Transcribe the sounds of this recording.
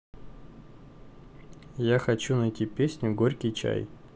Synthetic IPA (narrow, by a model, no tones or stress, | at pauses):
jaxɐt͡ɕunɐjtʲipʲesʲnʲʊɡoɾʲkʲɪjt͡ɕa̰j